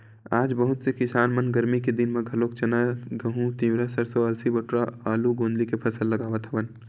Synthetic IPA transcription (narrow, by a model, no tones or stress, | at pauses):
aːd͡ʒbɐɦʊt̪sekɪsaːnmɐnɡɐɾmiked̪ɪnmẽɡʱɐloːkt͡ʃɐnaɡɐɦũt̪ĩːʋɾasɐɾsoɐlsibɐʈɾaaːluɡõːnd̪likepʰɐsəlːɐɡaːʋət̪ʰɐʋən